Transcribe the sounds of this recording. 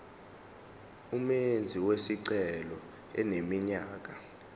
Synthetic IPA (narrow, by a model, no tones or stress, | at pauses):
umend͡zʱiwesiǀɛlɔ | ɛ̰nemiɲaːk̬a